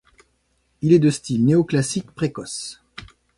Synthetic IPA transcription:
ilɛd̪əst̪ilneoklasikpχekɔs

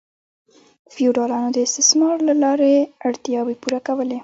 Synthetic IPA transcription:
fiuɖɑlɑnod̪əɪst̪ɪsmɑɾlalɑɾeaɽt̪jɑwepuɾakawəle

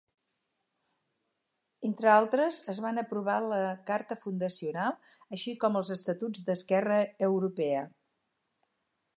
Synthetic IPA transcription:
ent̪ɾəalˠt̪ɾəzəzβanəpɾuβ̞aləkaɾt̪əfund̪əsiunalˠəʃikɔməlˠzəst̪ət̪ud͡zd̪əskɛrəːwɾupɛə

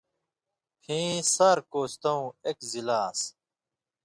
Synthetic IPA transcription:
hʰĩːsɐɾkoːst̪ɐũekzilaːs

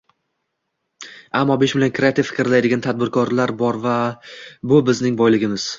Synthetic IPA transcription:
amːɒbeʃbɪlaŋkʰɾeat̪ʰɪffɪ̥kʲɪɾlajd̪ɪɡʲant̪ʰad̪̚bɪɾkʰɒɾlaɾbɒɾvabʊbɪznɪŋbɒjlɪɡʲɪmɪz̥

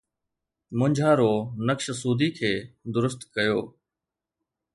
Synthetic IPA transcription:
mʊ̃ɲd͡ʑʱaːɾoːnəkʃsuːd̪ikʰeːd̪ʊɾʊst̪kɐjoː

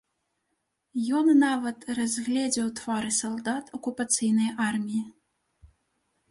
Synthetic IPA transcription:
jɔnːavɐt̪razʲɣlʲɛd͡zʲɛwt̪vaɾɨsɐlˠd̪at̪ɔkupat̪sɨjnɐjʔarmʲiji

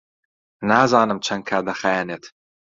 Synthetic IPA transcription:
naːzɑːnɨmt͡ʃʰɐŋkʰad̪ɐχajaːnet̪ʰ

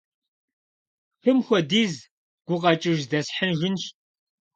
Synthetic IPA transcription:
xɨmxʷɔdiːz | ɡ̥ʷʊqɐt͡ʃʼɪʒdɐsħənʒɪnɕ

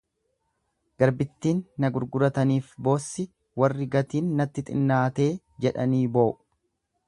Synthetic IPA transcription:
ɡ̥ɐɾbɪt̪ːiːnːɐɡʊɾɡʊɾɐt̪ɐniːfbo̞ːsːɪ | wɐrːɪɡɐt̪iːnːɐt̪ːɪt̪ʼɪ̰nːaːt̪e̞ː | d͡ʒɛᶑɐniːbo̞ːʔʊ̥

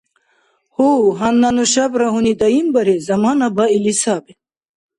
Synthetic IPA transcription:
huɦɐnːɐnuɕabɾɐɦunit̪ɐimbɐɾezɐmaːnɐbailisaːbe

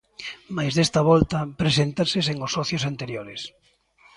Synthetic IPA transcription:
majzðest̪ɐβɔlt̪ɐpɾesent̪aseseŋosɔθjosant̪eɾjoɾɪs

